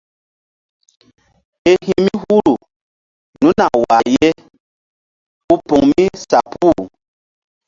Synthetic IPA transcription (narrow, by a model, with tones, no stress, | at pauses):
e˦hĩ˦mi˦hu˦lu˨ | nũ˦na̰˨wa˨je˦ | u˦po˨ŋmĩ˦sa˨pu˦˨